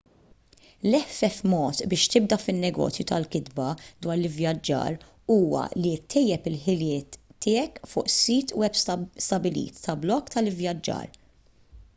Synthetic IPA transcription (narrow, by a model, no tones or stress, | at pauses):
lɛfːɛfmɔːt̪bɪːʃt̪ɪb̚d̪ɐfɪnːɛɡɔ̰ːt͡sjut̪ʰɐlkɪd̪bɐd̪wɐːɾlɪvjɐd͡ʒːɐ̰ːɾ | uːwɐ̰lit̪ʰːɛjːɛpɪlħɪlɪːt̪ːɪːɛkfʊːʔsːiːt̪uɛbst̪ɐbɪlḭːt̪ːɐblɔkːt̪ɐlɪvjɐd͡ʒːɐ̰ːɾ